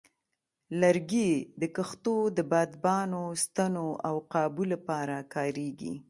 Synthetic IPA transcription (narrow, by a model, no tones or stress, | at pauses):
laɾɡid̪əkəxt̪od̪əbɑd̪bɑnost̪anoawqɑbulapɑɾakɑɾeɡḭ